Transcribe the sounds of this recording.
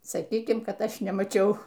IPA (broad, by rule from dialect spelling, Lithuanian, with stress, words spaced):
sɐˈkʲiːkʲɪm ˈkɐt ˈɐʃ nʲɛmɐˈt͡ʃʲɛʊ